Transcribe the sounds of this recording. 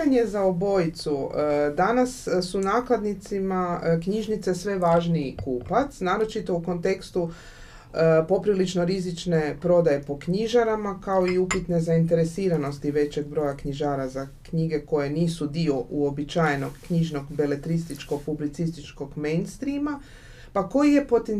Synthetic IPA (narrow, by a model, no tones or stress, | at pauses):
ɲe̞zaobo̞jit̪sud̪anassunaːklad̪nit̪simakɲiʒnit̪se̞sʋe̞ʋaːʒniikuːpat̪snaːɾo̞t͡ʃit̪o̞uko̞nt̪e̞kst̪u | po̞pɾilit͡ʃno̞ɾizit͡ʃne̞pɾo̞d̪aje̞po̞kɲiʒaɾamakao̞iupit̪ne̞zaint̪e̞ɾe̞siːɾano̞st̪iʋe̞t͡ɕe̞ɡbɾo̞jakɲiʒaːɾazakɲiɡe̞ko̞jeniːsud̪io̞ʔuo̞bit͡ʃajeno̞ɡkɲiʒno̞ɡbe̞le̞t̪ɾist̪it͡ʃko̞ɡpublit̪sist̪it͡ʃko̞ɡmejnst̪ɾima | pako̞jije̞po̞t̪en